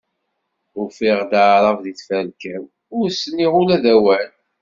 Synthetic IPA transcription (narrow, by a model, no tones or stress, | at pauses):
ʊɾfiʁd̪aʕɾˤɑvðiθfælkæm | ʊɾsənːiʁʊlæðæwæn